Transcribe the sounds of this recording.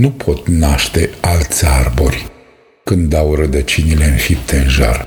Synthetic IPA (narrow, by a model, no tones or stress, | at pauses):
nupʰo̞t̪naʃt̪e̞alt̪sʲarborʲ | kɨnd̪awrəd̪ət͡ʃinile̞ɨnfip̚t̪ʰe̞ɨnʒa̰r